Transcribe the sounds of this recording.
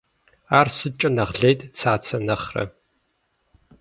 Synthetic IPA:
aːrsɨt͡ʃʼɐnɐʁɮeːtʰʼt͡sʰaːt͡sʰɐnɐχrɐ̰

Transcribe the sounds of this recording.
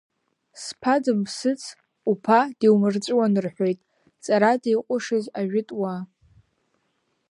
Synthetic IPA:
spʰadɨmsɨt͡sʰ | upʰadiwmɨrt͡sʼwanɨrħᶣʷojtʼ | t͡sʼaɾadejqʷʼʊʂɨzaʒᶣɪtʼwa

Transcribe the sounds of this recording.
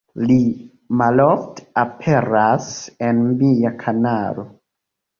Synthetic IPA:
li | malɔftapʰɛɾasɛnmijakʰanaɾo

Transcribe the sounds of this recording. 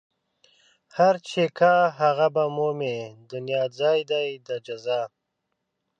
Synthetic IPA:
haɾt͡ʃʰekʰaɦaɣabamomed̪ʊnjɑːzɑːjd̪ajd̪ad͡ʒazaː

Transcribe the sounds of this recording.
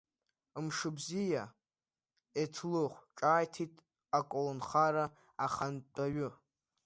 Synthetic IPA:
mʂɨbzija | etʰlɨχʷʈ͡ʂʼaːjtʰitʰʼ | akʷʼolonχaɾa | aχantʼaɥʊ

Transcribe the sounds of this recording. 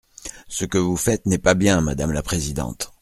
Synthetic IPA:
səkəvufɛt̪nɛpabjɛ̃mad̪amlapχezid̪ɑ̰̃t̪

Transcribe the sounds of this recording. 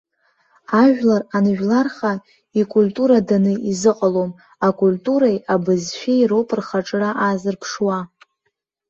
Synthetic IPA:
aʒᶣlaranʒᶣlarχa | ikʷʼultʼuɾadanɨizɨqʼalom | akʼultʼuɾajabɨzʃᶣejropʼɨrχaʈ͡ʂʼraʔazɨrpʰʂwa

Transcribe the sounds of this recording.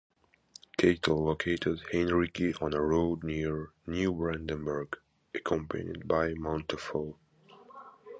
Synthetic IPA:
kʰeɪtʰl̩ˠlokʰeɪtɪdhɛ̃nɹikiʔɔ̃nəɹoʊdniɹnjubɹæ̃ndə̃nbə˞ɡ | ʔɨkʰɔ̃mpʰɨ̰̃nḭd̚baɪmãʊ̃ntʰəfolˠ

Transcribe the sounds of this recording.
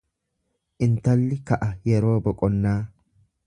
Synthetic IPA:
ʔɪnt̪ɐlːɪkɐʔɐjɛɾo̞ːbɔkʼɔnːaː

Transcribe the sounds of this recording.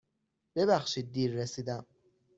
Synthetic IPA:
b̥e̞βæxʃiːd̪̚ːiːɾːesiːd̪æm

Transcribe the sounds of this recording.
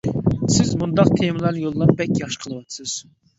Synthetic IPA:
sɪzmund̪ɑqt̪ʰeməlˠæɾnɨjolˠːɑp̚bɛkʲjɑχʃə̥qʰəlˠɨwɑnsɨz̥

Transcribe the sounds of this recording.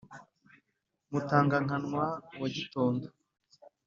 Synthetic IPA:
mutaːŋɡaŋ̥anŋwawaɟitoːndo

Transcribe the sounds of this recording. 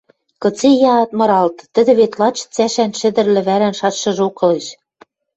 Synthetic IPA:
kɤ̆t͡sejɑːt̪mɤ̆ɾɑlt̪ːɘ̆d̪ɘ̆βet̪lɑt͡ɕt͡sæʃænʃɘ̆d̪ɘ̆rlɘ̆βæɾænʃɑt̪ʃɤ̆ʒokɤ̆leʃ

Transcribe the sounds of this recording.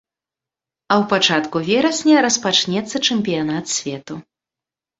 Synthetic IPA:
ɐwpat͡ʂat̪kuvʲɛɾɐsʲnʲɛɾɐspat͡ʂnʲɛt̪sːɐt͡ʂɛmʲpʲijanat̪sʲvʲɛt̪u

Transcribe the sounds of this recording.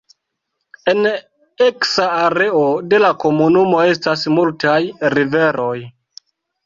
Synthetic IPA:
e̞n | e̞ksaːɾe̞ode̞lako̞munumo̞e̞stasmultajɾive̞ɾʔo̞j

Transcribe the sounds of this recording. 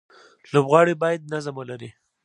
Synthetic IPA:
lobɣɑɽibɑjad̪̚nazamalaɾi

